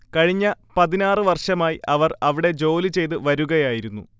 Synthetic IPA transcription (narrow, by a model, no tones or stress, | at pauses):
kɐɻiɲːɐpɐðinaːrɨʋɐrʂɐmaːjiʔɐʋɐrɐʋiɽe̞d͡ʑo̞ːlit͡ɕe̞jt̪ɨʋɐɾuɣɐjaːjiɾunːṵ